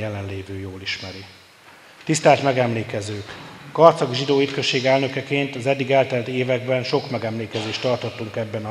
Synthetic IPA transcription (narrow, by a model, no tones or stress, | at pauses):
jɛlɛnleːvøːjoːliʃmɛɾi | t̪ist̪aːt̪mɛɡɛmleːkɛzøːkːɒrt̪sɒɡʒid̪oːyt̪kø̞ʃːeːɡɛlnø̞kɛkeːnt̪ɒzɛd̪ːiɡɛːlt̪ɛlt̪eːvɛɡ̚bɛnʃo̞kmɛɡɛmleːkɛzeːʃt̪ɒrt̪ot̪ːuŋkɛbːɛnɒ